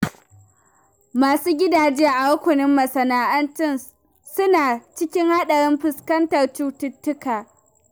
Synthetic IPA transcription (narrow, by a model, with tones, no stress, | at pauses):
maː˨suː˦ɡʲɪ˦daː˨d͡ʒɪ˦ja˦ʔa˨wɐ˦kʷʊ˨nɪ˦mːɐ˨sɐ˨naː˨ʔɐ˦ntɪ˦n | sʊ˦naː˨t͡ʃɪ˦kʲɪ˦ŋha˦ɗɐ˨ɾɪ˦mɸɪ˨skɐ˦ntɐ˨rt͡ʃuː˦tʊ˦tːʊ˦kaː˨